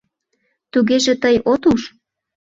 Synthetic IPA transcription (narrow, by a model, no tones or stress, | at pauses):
t̪uɣeʒet̪əjot̪uʃ